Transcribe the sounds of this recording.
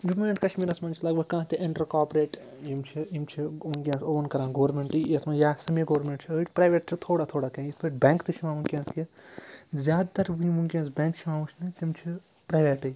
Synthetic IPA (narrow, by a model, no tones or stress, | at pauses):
d͡ʒumẽɳʈkɐʃmiːɾɐ̃smɐnt͡ʃʰilɐɡbɐɡkãːt̪eʔẽɳʈɐɾkaːpɾeːʈ | jimt͡ʃʰiimt͡ʃʰimuŋkijãːsoːʋɐnkɐɾãːɡoːɾmeːɳʈiːɐt̪mãjaːsɐmiɡoʋɾmẽɳʈt͡ʃʰiəiʈʰʲpɾaːjʋeːʈt͡ʃʰit̪ʰoːɽat̪ʰoːɽakɐ̃ispəʈ̚bʲɛ̃ːŋkt̪ɨt͡ʃʰimãːmuŋkʲjãːski | zʲaːd̪t̪ɐɾbujimuŋkʲjãːsbẽːŋkt͡ʃʰimãːut͡ʃʰnɨt̪imt͡ʃʰi | pɾaːjʋeːʈɨj